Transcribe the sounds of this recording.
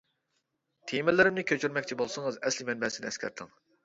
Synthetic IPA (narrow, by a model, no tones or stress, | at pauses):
t̪ʰemɪlɪɾɪmnɪkʲʰøt͡ʃʰyɾmɛk̚ʲt͡ʃʰibolˠsɨŋɨzɛslɪmɛnbɛsɪnɪɛskʲʰæ̰ɾt̪ʰɨŋ